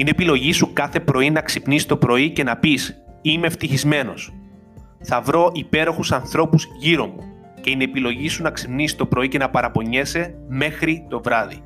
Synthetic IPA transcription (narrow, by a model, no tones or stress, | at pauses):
ine̞pilo̞ʝisukɐθe̞pɾo̞inɐksipnisi̥t̪o̞pɾo̞ice̞nɐpisimeft̪içizme̞no̞̰s | θɐvɾo̞ʔipe̞ɾo̞xusɐnθɾo̞puzʝiɾo̞mu | ce̞inepilo̞ʝisunɐksipnisi̥t̪o̞pɾo̞ice̞nɐpɐɾɐpo̞ɲe̞se̞me̞xɾit̪o̞vɾɐði